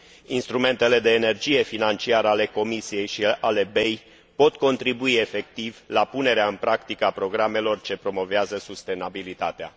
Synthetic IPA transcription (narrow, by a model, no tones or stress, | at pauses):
inst̪ɾume̞nt̪e̞le̞d̪e̞ːne̞rd͡ʒije̞finant͡ʃiaɾəale̞ko̞misije̞jʃiale̞be̞j | po̞t̪ko̞nt̪ɾibuie̞fe̞k̚t̪ivlapune̞ɾeaɨnpɾakt̪ikəapɾo̞ɡɾame̞lo̞rt͡ʃe̞pɾo̞mo̞veazəsust̪e̞nabilit̪at̪ea̰